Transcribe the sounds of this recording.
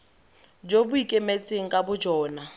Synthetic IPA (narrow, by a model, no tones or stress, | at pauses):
d͡ʒobʊikʼemet͡sʼeŋ̩kʼabʊd͡ʒɔːna